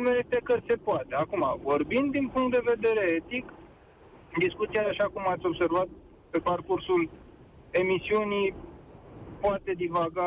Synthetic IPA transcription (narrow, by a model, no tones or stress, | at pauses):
meɾet̪ekəse̞poat̪e̞akuma̰vo̞rbind̪d̪inpuŋkt̪d̪e̞ve̞d̪e̞ɾeet̪ik | d̪iskut̪siaʃakumat̪sʲo̞bse̞rvat̪̚ | pe̞parkursul | e̞misiunij | poat̪e̞d̪ivaɡa